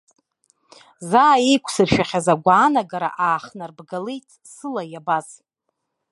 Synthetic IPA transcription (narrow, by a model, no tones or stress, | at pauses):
zaːejkʷʰʼsɨrʃᶣaχʲazaɡʷaːnaɡaɾa̰ʔaːχnarbɡalejtʼʰ | sɨlajabaz̥